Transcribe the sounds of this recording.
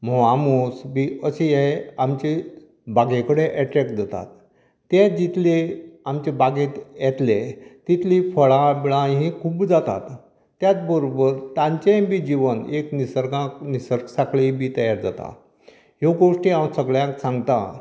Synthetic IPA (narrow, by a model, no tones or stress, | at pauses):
mɔʋamosbiəɕejeamt͡ɕe | baɡẽkəɽeʔɛʈɾɛkd͡zat̪a̰t̪ː | ẽd͡ʑit̪ʰleamt͡ɕebaɡẽt̪jɛt̪let̪it̪ʰlifəɭãbiɭãɦĩkʰuːbd͡zat̪a̰t̪ː | jat͡sbəɾobəɾt̪ãɲt͡ɕẽbiːd͡ʑiʋəneknisəɾɡãnisəɾksakɭibiːt̪əjaɾd͡zat̪a̰ | ɦoɡoʂʈiamsəɡɭjãksãŋɡt̪a̰